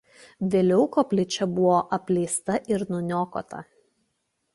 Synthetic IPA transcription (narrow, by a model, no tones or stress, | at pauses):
ʋʲeːlʲɛʊkoːpʲlʲɪt͡ʃʲɛbʊʋoːʔɐpʲlʲɛɪst̪ɐʔɪɾnʊnʲoːko̰ːt̪ɐ̰